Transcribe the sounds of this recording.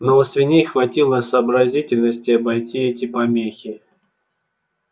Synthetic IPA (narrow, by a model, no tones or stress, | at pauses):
noəsʲvʲɪnʲejxvɐtʲilˠəsəːbɾɐzʲitʲɪlʲnəsʲtʲɪɐbɐjtʲiɛtʲɪpɐmʲexʲɪ